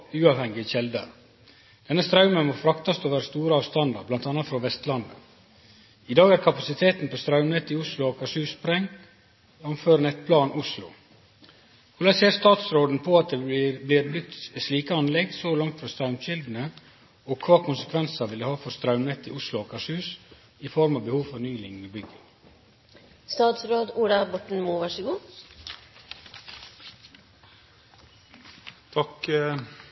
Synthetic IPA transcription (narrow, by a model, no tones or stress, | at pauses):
ʉːɑːʋhɛŋɪçɛld̪ə̰ | d̪̥ɛnːəst̪ɾɑʉmənmofɾɑkt̪ɑst̪oʋæːɾəst̪uːɾəɑːʋst̪ɑnd̪ɑ̰ɾblɑnt̪ɑːnɑt̪fɾɑʋɛst̪lɑnd̪ə̰ | ɪd̪ɑːɡæɾkʰɑpɑsɪt̪ʰeːt̪n̩post̪ɾɑʉmnɛt̪ːɪʊslʊɑkʰɑsʉːspɾɛŋ | ɑmføːɾnɛt̪pʰlɑːnʊslʊ̰ | hulɑseːɾst̪ɑːt̪sɾoːd̪n̩pʰɔɑt̪̚d̪ɛblɪɾblʏt̪sliːkəɑnlɛɡ̪soːlɑŋt̪fɾɑst̪ɾɑʉmʃɪld̪n̩ə | oːkʰʋɑːkʰʊnsəkʰʋɛnsɑʋɪlːəhɑːfɔɾst̪ɾɑʉmnɛt̪ːɪ̰ʊslʊokʰɑʂhʉːs | ɪfɔɾmɑʋbəhuːʋfɔnyːlɪŋniːbʏɡə | st̪ɑːt̪sɾoːd̪uːɖɑbɔʈɳ̩muːʋɑʂɪɡuː | t̪ʰɑk